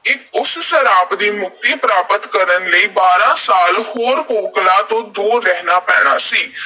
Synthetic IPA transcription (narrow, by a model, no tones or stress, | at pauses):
ɪkʊssəɾaːpd̪iːmʊk̚t̪iːpɾaːpət̪kəɾənləiːbaːɾãːsaːlhoːɾkoːklãːt̪õːd̪uːɾːɛɦnaːpɛːɽ̃a̰ːsiː